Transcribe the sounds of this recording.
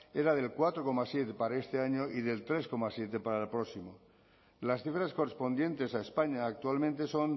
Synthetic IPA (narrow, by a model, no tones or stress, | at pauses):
e̞ɾað̞e̞lkwat̪ɾo̞ko̞masje̞t̪e̞paɾae̞st̪e̞aɲo̞ʔiðe̞lt̪ɾe̞sko̞masje̞t̪e̞paɾaelpɾo̞simo | lasθifɾaskorespo̞nd̪jẽ̞nt̪e̞saespaɲaːk̚t̪ualmẽnt̪e̞so̞n